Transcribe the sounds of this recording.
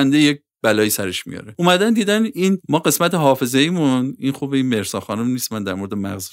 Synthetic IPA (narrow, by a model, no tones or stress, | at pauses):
nd̪ejec̚ | b̥ælɒːjiːsæɾe̞ʃmḭjɒ̰ɾeʔumæd̪ænd̪iːd̪æninmɒːɢe̞smæt̪ʰeɦɒːfe̞zeimuninxubeinme̞ɾsɒːxɒːnumniːsmænd̪æɾmo̞ɾd̪emæ̰ɣz